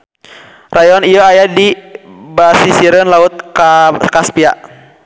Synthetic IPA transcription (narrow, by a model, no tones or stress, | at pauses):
rajɔnijɔajadibasisiɾənlaut̪̚kakaspiaʔ